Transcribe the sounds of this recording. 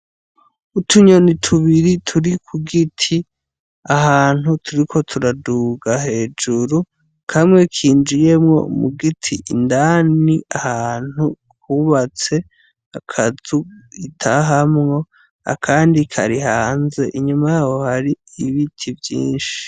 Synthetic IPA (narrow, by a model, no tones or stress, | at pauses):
utʰuɲo̞nitʰuβiɾitʰuɾikʰuɡitʰi | ahaːn̥hutʰuɾikʰo̞tʰuɾaduɡaɦe̞ːd͡ʒuɾu | kʰamŋe̞kʰiːnd͡ʒije̞mŋo̞̰mṵɡitʰiʔindaːniahaːn̥hu | huβat͡se̞ | akʰazuitʰaɦamŋo̞ | a̰kʰaːndikʰa̰ɾihaːnze̞ʔiɲumajaːho̞haɾiiβitʰivjḭːnʃi̥i̥